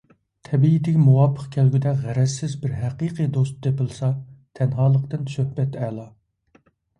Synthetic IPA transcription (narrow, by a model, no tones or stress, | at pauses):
t̪ʰɛbiːt̪ɪkʲmuwɑːpʰːə̥qkʲʰɛlɡʲyd̪ɛʁæɾɛzsːɪzbɪɾɦæqiːqʰijd̪ost̪̚d̪epɪlˠɨsɑt̪ʰɛnɦɑːlˠəqt̪ɨnsøhbɛt̪ɛːlˠɑ